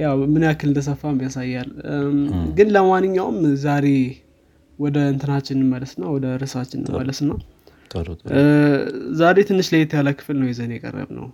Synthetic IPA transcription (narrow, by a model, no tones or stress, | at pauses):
jawmɨnjakːɨld̪ʰəs̬əfːamjasajːal | ɡɨnləmanːɨɲːawmzaɾe̞ | wɔd̪əɨnt̪ʰɨnat͡ʃːɪnɨnmələsɨnːawɔd̪əɾɨsat͡ʃːɪnɨ̰nmələsɨnːa | zaɾet̪ʰɨnːɨʃləjɛt̪ʰəjaləkʰɨ̥flnəwjɛzənjɛkʼə̰rːə̰βnə̰w